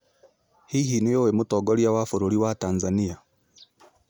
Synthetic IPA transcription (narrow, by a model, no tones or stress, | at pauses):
hihiːnujowemutoɡoɾjawafuɾuɾiwataːnzanija